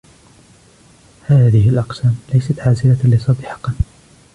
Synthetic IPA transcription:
haːðɪɦɪlʔɑqsaːmlajsat̪ʕaːzɪlalɪsˤɑd̪ɪħɑ̥qɑ

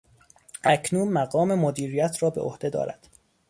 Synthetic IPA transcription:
ʔæcʰnuːnmæɣɒːme̞mod̪iːɾijæt̪ʰɾɒːbeʔo̰hd̪e̞d̪ɒ̰ːɾæ̰d̪̥

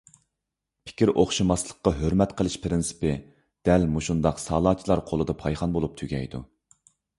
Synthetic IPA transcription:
pʰɪ̥kʲiɾʔoχʃɑmɑslˠə̥qːɑɦøɾmɛt̪qʰəlˠɨʃpʰɾɪnsɪ̥pɪ | d̪̥ɛlmuʃund̪ɑqsɑːlˠɑːt͡ʃʰilˠɑɾqʰolˠɨd̪ɑpʰɑjχɑnbolˠup̚t̪ʰyɡʲɛ̰jd̪u

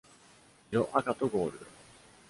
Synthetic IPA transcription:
ɾoʔakat̪oɡo̞ːɾɯ̟

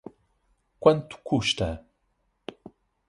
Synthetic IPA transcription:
kʷant̪u̥kʰuʃt̪a

